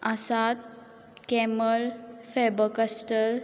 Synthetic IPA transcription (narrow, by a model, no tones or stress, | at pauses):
asat̪̚ | kɛməlfɛbəkasʈəɾ